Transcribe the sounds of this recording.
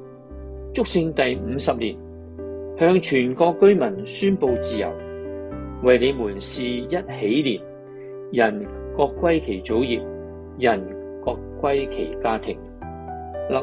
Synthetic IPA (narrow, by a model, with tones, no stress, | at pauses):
t͡sʊ˥k̚sɪ˧ŋt̪ɐ˨jm̩˨˧sɐ˨p̚liː˨˩n | hœː˧ŋt͡ʃʰyː˨˩nkɔː˧kːɵ˥ɥmɐ˨˩nsyː˥npo˨˧wt͡siː˨˧jɐ̰˨˩w | wɐ˨jle˨˧jmuː˨˩nsiː˨jɐ˥t̚he˨˥jliː˨p̚ | jɐ˨˩n | kɔː˧kʷːwɐ˥jkʰe˨˩jt͡so˨˥wjiː˨p̚ | jɐ˨˩n | kɔː˧kːwɐ˥jkʰe˨˩jkaː˥t̪ʰɪ˨˩ŋ | lɐ˨